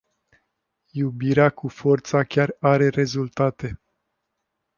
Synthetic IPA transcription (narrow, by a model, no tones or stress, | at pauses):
jubiɾeakufo̞rt̪sakʲaraɾe̞ɾe̞zult̪at̪e̞